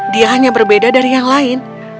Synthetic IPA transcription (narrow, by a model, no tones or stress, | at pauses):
diaɦaɲabərbedadaɾijaŋlaɪn